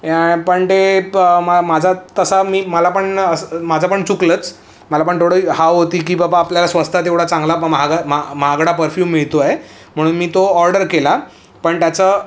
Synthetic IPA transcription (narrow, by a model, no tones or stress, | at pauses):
pəɳt̪eəmamad͡zʱat̪əsamiːməlapəɳəsmad͡zʱapəɳt͡suklət͡s | məlapəɳt̪ʰoɽəːhawɦot̪iːkiːbapaːpljalasʋəst̪ʰat̪eʋɽ̤at͡sãŋɡlaməɦaɡmaməɦaɡɽapəɾfjuːmːiɭt̪oae | m̤əɽ̃uːnmiːt̪oɔɾɖəɾkela | pəɳt̪jat͡sə